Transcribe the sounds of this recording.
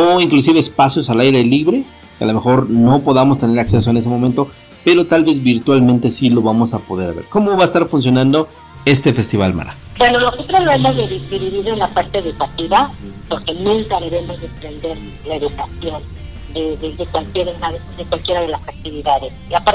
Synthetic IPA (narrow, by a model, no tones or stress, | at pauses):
oiŋklus̬iβeːspasjo̞salajɾe̞liβɾe̞ | kealome̞xo̞ɾno̞po̞ðamo̞s̬t̪e̞ne̞ɾakse̞s̬oe̞nes̬emo̞mẽnt̪o̞ | pe̞ɾo̞t̪alβe̞zβiɾt̪walment̪e̞silo̞βamo̞sapo̞ðe̞ɾaβḛɾko̞moβaest̪aɾfuns̬jonãnd̪o̞ | e̞st̪e̞fe̞st̪iβa̰lma̰ɾa̰ | bwe̞no̞loset̪ɾoloemozðeðid̪iβiβiɾenlapaɾt̪e̞ːðukat̪iβapo̞ɾke̞nũŋkaðe̞βe̞mo̞zðempɾe̞nd̪e̞ɾ | laeðukasjo̞n | d̪eðeðekwalkjeɾenaððekwalkje̞ɾaðe̞lasak̚t̪iβiðaðeslapaɾ